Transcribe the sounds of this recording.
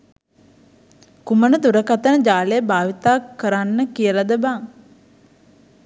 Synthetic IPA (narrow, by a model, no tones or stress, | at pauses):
kumənəd̪uɾəkat̪ənəd͡ʒaːlejəbaːʋit̪aːkːəɾanːəkijəlad̪əbaːŋ